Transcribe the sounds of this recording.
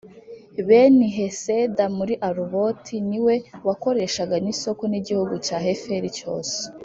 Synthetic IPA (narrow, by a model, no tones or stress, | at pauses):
βeniɦe̞sedamuɾiʔaɾuβo̞tʰiniwe̞wako̞ɾe̞ʃaɡaniso̞ko̞niɟihuɡucaːɦe̞feɾico̞̰ːse̥